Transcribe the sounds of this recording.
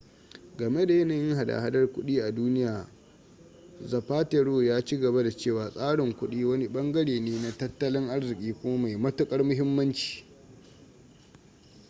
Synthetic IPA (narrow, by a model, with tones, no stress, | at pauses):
ɡɐ˨me˦da˨jɐ˦na˨jɪ˦ŋɦa˨da̰˨ha˦dɐ˦rkʷʊ˦ɗiː˦ʔa˨duː˦nɪ˦jaː˨ | zɐ˨ɸaː˦te˨ɽoː˦jaː˦t͡ʃiː˦ɡɐ˨ba˦da˨t͡ʃeː˦˨waː˨sʼaː˦ɽɪ˨ŋkʷʊ˦ɗiː˦wɐ˦ni˦ɓɐ˦ŋɡɐ˦ɽeː˨neː˦na˨tɐ˦tːɐ˦lɪ˦ŋʔa˦rzɪ˨kʲʼiː˦kʷʊ˦ma˦ma˨jmɐ˦tʊ˦kʼɐ˦rmʊ˦ɦɪ˦mːɐ˦nt͡ʃi̥ː˨